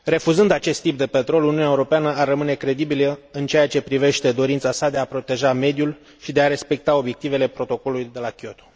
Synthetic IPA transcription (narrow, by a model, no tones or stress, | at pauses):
ɾe̞fuzɨnd̪at͡ʃe̞st̪ːip̚d̪e̞pet̪ɾo̞luniuneuɾo̞peanəarːəmɨne̞kɾe̞d̪ibiləɨnt͡ʃe̞jat͡ʃe̞pɾive̞ʃt̪e̞d̪o̞ɾint̪sasad̪e̞apɾo̞t̪e̞ʒame̞d̪jul | ʃid̪e̞aɾe̞spe̞k̚t̪ao̞bje̞k̚t̪ive̞le̞pɾo̞t̪o̞ko̞lulujd̪e̞lakʲiot̪o̥